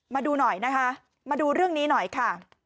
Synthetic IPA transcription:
maː˧duː˧nɔ˨˩jna˦˥kʰa˦˥ | maː˧duː˧ɾɯ˥˩əŋniː˦˥nɔ˨˩jkʰa˥˩

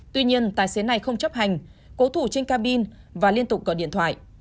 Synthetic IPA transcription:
t̪wi˧ɲi˧ənt̪aː˨˩jse˨˦na˨˩jxə˧wŋ͡mt͡ɕə˦˥p̚ha˨˩jŋ̟ko˨˦t̪ʰu˧˩t͡ɕe˧ŋkaː˧ɓi˧n | vaː˨˩li˧ənt̪ʊ˨˩k͡p̚kɔ˨˦ɗḭ˧˨ənt̪ʰwa̰ː˧˨jʔ

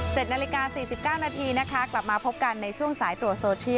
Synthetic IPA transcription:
t͡ɕe˨˩t̪̚naː˧li˦˥kaː˧siː˨˩si˨˩p̚kaː˥˩wnaː˧t̪ʰiː˧na˦˥kʰa˦˥kla˨˩p̚maː˧pʰo˦˥p̚ka˧nːa˧jt͡ɕʰu˥˩əŋsaː˩˦jt̪ɾu˨˩əsoː˧t͡ɕʰi˥˩˨

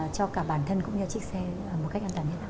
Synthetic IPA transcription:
t͡ɕɔ˧kaː˧˩ɓaː˧˩nt̪ʰə˧nkʊ̰˧˥ŋ͡mzɨ˧t͡ɕi˦˥k̚sɛː˧˨˩mo˨˩t̚ka˦˥k̚ʔaː˧nt̪aː˧˩nhʰnaː˧˦

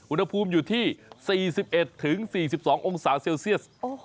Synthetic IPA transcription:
ʔu˧nha˧pʰuː˧mjuː˨˩t̪ʰiː˥˩siː˨˩si˨˩p̚ʔe˨˩t̪ʰːɯ˩˦ŋsiː˨˩si˨˩p̚sɔː˩˦ŋʔo˧ŋsaː˩˦seː˧wsi˥˩əs

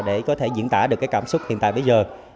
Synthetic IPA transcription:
ɗe˧˩kɔ˨˦t̪ʰe˧˩zḭ˧˥nt̪a̰ː˧˩ɗɨ˨˩əkːaː˨˦jkaː˧˩msʊ˦˥k͡p̚hḭ˧˨nt̪aː˧˨jɓə˨˦jzəː˨˩

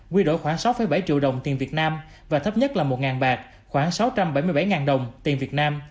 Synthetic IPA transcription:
kwi˧ɗo̰˧˨jxwaː˧˩ŋsa˨˦wfəː˨˧˩jɓa˧˩jt͡ɕḭ˧˨əwɗə˨˩wŋ͡mt̪i˨˩nvi˨˩ət̚naː˧m | vaː˨˩t̪ʰə˦˥p̚ɲə˦˥t̚laː˨˩mo˨˩t̚ŋaː˨˩nɓaː˨˩k̚ | xwaː˧˩ŋsa˨˦wt͡ɕa˧mɓa˧˩jmɨ˧jɓa˧˩jŋaː˨˩nɗə˨˩wŋ͡mt̪i˨˩nvi˨˩ət̚naː˧m

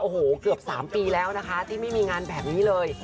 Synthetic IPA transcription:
ʔoː˧hoː˨˩kɯ˨˩əp̚saː˩˦mpiː˧lɛː˦˥wna˦˥kʰa˦˥t̪ʰiː˥˩ma˥˩jmiː˧ŋaː˧nbɛː˨˩p̚niː˦˥lɤː˧j

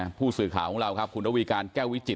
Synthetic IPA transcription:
pʰuː˥˩sɯː˨˩kʰaː˨˩˦wkʰɔ˧˦ŋɾa˧wkʰa˦˥p̚kʰu˧nɾʰa˥wiː˧kaː˧nkɛː˥˩wi˦˥t͡ɕi˨˩

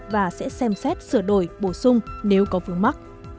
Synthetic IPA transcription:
vaː˨˩sɛ̰˧˥sɛ˧msɛ˦˥t̚sɨ˧˩əɗo˧˩jɓo˧˩sʊ˧ŋ͡mne˨˦wkɔ˨˦vɨ˨˦əŋma˦˥k̚

